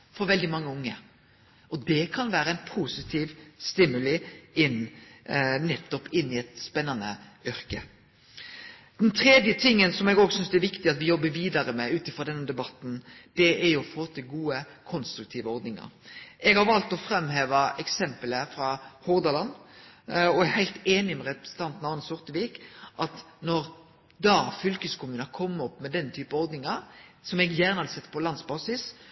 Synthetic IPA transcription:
fɔɾʋɛld̪ɪmɑŋːəʊŋːə | ɔd̪ɛkʰɑnʋæːɾəæɪnpʰusɪt̪ʰiːʋst̪ɪmːʉlɪɪnː | nɛt̪ːɔpɪnːɪɛt̪spɛnːɑnə̰ʏɾkə | d̪̥ɛnt̪ʰɾɛd̪jət̪ʰɪŋːənsɔmɛɡoːɡsʏnsd̪ɛæɾʋɪkt̪ɪɑt̪ʋɪjɔbːəʋiːd̪ɑɾəmɛʉːt̪ɪfʁɔd̪ɛnːəd̪ɛbɑt̪n̩d̪̥ɛʔæɾjʊɔfoːt̪ʰɪlɡuːəkʰɔnst̪ɾʉk̚t̪ʰiːʋəɔɾd̪nɪŋɑ̰ɾʔɛɡhɑɾʋɑlt̪ɔfɾɛmːɦeːʋɑʔɛksɛmpələfɾɑhɔʁd̪ɑlɑn | ɔɛhæɪlt̪eːnɪmɛʁɛpɾəsən̩t̪ʰɑnt̪n̩ɑːnəsɔʁt̪əʋiːkʔɑt̪nɔɾ | d̪ɑːfʏlkəskʰʊmʉːnəkʰɔmːəɔpːmɛd̪ɛnt̪ʰyːpəɔʁd̪nɪŋɑɾsɔmɛɡjæːʁnəhɑd̪əsɛt̪ːpʰɔlɑnsbɑːsɪs

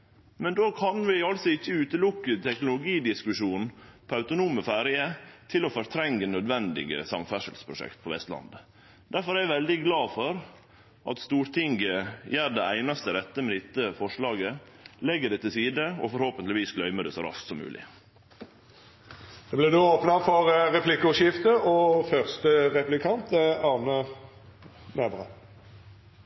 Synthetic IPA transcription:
mɛnd̪oːkʰɑnʋɪɑlsɔɪçːəʉːt̪əlʊkːət̪ʰɛknʊlʊɡiːd̪ɪskʉʂuːnpʰɔɑʉt̪ʊnuːməfæːɾɪət̪ʰɪlɔfɔɾt̪ʰɾɛŋɡənœd̪ʋɛnd̪ɪ̰ɡə̰sɑmt̪fæʂə̰lspʰɾʊʂɛ̰kt̪pʰɔʋɛ̰st̪lɑ̰nd̪ | d̪̥æɾfɔɾæɪʋɛld̪ɪɡlɑːfɔɾ | ʔɑ̰t̪st̪uːɾt̪ʰɪŋɡəjæːɖɛæɪnɑst̪əɾɛt̪ːəmɛd̪ɪt̪ːəfɔʂɭɑːɡə | lɛɡːəɖɛt̪ɪlsiːd̪əɔfɔɾhoːpənt̪lɪʋiːsɡlœʏməɖɛsɔɾɑ̰sksɔmːʉ̰ːlʔɪ̰ | d̪̥ɛblɛd̪ooːpnɑfɔʁʁɛpʰlɪkːʊʃɪft̪əɔfœʁst̪əʁɛpʉlɪkʰɑnt̪əɑʁnə | nɛbʁə̰

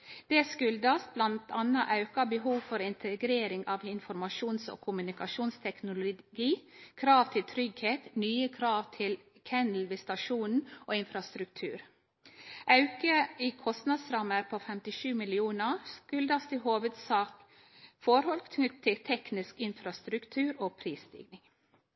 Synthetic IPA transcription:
d̪̥ɛːskʉld̪ɑsblɑnt̪ʰɑnɑʔɑʉkɑbəɦuːʋfɔɾɪnt̪ʰəɡɾeːɾɪŋɑːʋɪnfɔɾmɑʃuːnso̰ːkʰʊmʉnɪkɑʃuːnst̪ʰɛknʊlʊɡiːkʰɾɑːʋt̪ʰɪlt̪ʰɾʏɡheːt̪nyːəkʰɾɑːʋt̪ʰɪl | kʰɛnl̩ʋɪst̪ɑʃuːnn̩oːɪnfɾɑst̪ɾʉkt̪ʰʉ̰ːɾ | ʔɑʉkəiːkʰɔst̪nɑd̪sɾɑməɾpʰoːfɛmt̪ɪʃʉːmɪlɪuːnəskʉld̪ɑst̪ɪhoːʋəd̪sɑːk | fɔɾhɔlkt̪ʰʉt̪ʰɪlt̪ʰɛknɪskɪnfɾɑst̪ɾʉkt̪ʰʉːɾoːpʰɾiːsd̪ɪ̰ɡnɪŋ

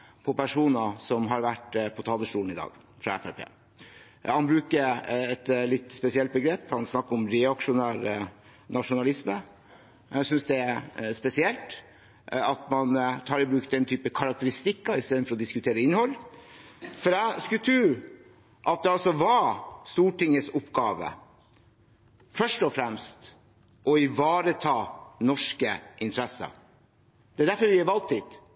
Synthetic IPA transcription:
pʰɔpʰæʂuːnɑsɔmɦɑɾʋæʈpʰɔt̪ʰɑːləʂʈuːln̩ɪd̪ɑ̰ːɡ | fɾɑ̰ɛ̰fæ̰ɾpʰḛː | hɑnbɾʉːkəɛt̪lɪt̪ːspɛsɪɛlt̪̚bəɡɾeːpːhɑnsnɑkːəɾɔmɾɛɑkʂʊnæːɾə | nɑʂʊnɑlɪsmə | æsʏnsd̪ɛspɛsɪɛlt̪ | ɑt̪mɑnt̪ʰɑːɾɪbɾʉːkd̪ɛnt̪ʰyːpəkʰɑɾɑk̚t̪əɾɪst̪ɪkːɑɪst̪eːd̪n̩fɔɾɔd̪ɪskʉt̪ʰeːɾəɪnːhɔlː | fɔɾæskʉlt̪ʰɾʉː | ʔɑt̪̚d̪ɛɑlsɔʋɑst̪uːʈɪŋːəsʊpɡɑːʋə̰ | fœʂʈɔfɾɛmst̪ | ʔɔɪʋɑːɾət̪ʰɑːnɔʂkəʔɪnt̪ʰəɾɛsːə̰ | d̪̥ɛæd̪æɾfɔɾʋɪɑʋɑlt̪ʰːiːt̪

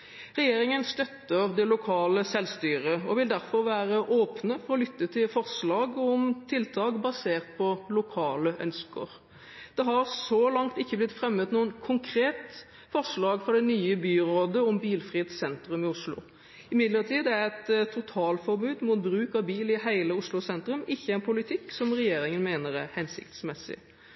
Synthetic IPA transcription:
ʁɛjeːɾɪŋənst̪œt̪ːəɾd̪ɛlʊkʰɑːləsɛlst̪yːɾəɔʋɪld̪æɾfɔɾʋæːɾəʔoːpnəfɔɾɔlʏt̪ːət̪ʰɪlfɔʁslɑːɡɔmt̪ʰɪlt̪ʰɑːɡbɑseːʁt̪̚pʰɔlʊkʰɑːləʔœ̰nskə̰ɾ | d̪̥ɛɦɑɾsɔlɑŋt̪ɪçːəblɪt̪fɾɛmːət̪nuːənkʰʊŋkʰɾeːt̪ | fɔʁʂlɑːɡfɾɔd̪ɛnyːəbyːɾoːd̪əɔmbiːlfʁiːɛt̪sɛnt̪ɾʉmɪʊslʊ̰ | ɪmɪd̪ləʁt̪ʰiːd̪æɾɛt̪t̪ʰːʊt̪ʰɑːlfɔɾbʉːd̪muːt̪̚bɾʉːkɑbiːlɪɦæɪləʊslʊsɛnt̪ɾʉmɪçːəæɪnpʰʊlɪt̪ʰɪkːsɔmɾɛjeːɾɪŋənmeːnəɾæɾhɛnsɪ̰kt̪smɛsːɪ̰

